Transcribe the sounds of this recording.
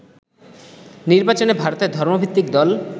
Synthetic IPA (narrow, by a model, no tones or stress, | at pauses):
niɾbat͡ɕonebʱaɾot̪eɾd̪ʱɔɾmobʱit̪ːikd̪ɔl